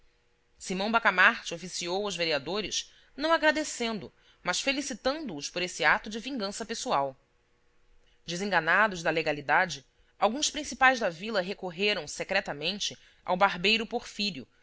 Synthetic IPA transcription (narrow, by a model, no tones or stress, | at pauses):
simɐ̃w̃bakamaɾt͡ʃɪofisiowʊzveɾiad̪oɾɪʃ | nɐ̃w̃aɡɾad̪esẽnd̪ʊ | mɐʃfelisit̪ɐ̃nd̪ʊːʃpoɾesɪat̪ʊd͡ʒɪvĩŋɡɐ̃sɐpesuaw | d͡ʒɪzẽŋɡanad̪ʊzd̪ɐleɡalid̪ad͡ʒɪ | awɡũspɾĩsipajzd̪ɐvilɐɦekoɦeɾɐ̃w̃sekɾɛt̪ɐmẽnt͡ʃɪ | a̰wbaɦbejɾʊpoɾfiɾjʊ̰